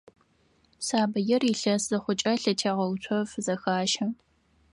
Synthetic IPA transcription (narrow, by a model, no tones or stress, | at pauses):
saːbɐjɛriɬɐszɐχʷʊt͡ʃʼɐɬɐtʰeːʁɐwtʷʰɔfzɐxaːʃɐ